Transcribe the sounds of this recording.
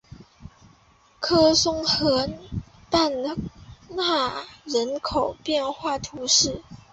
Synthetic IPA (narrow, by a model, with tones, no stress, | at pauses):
kʰɤ˥sʊ˥ŋxɤ˧˥n | t̪a˥˧n | na˥˩ɻə˧˥nkʰo˨˩ʊpjɛ˥˧nxwa˥˩t̪ʰu˧˥ʂɻ̩˥˩